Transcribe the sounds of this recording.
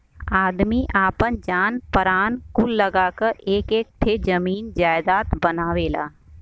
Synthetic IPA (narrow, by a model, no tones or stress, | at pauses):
aːd̪miʔaːpənd͡ʒaːnpəɾaːnkʊlːəɡaːkəɾeːkeːk̚t̪ʰed͡ʒəmiːnd͡ʒaːɪd̪aːt̪bənaːʋeːla̰ː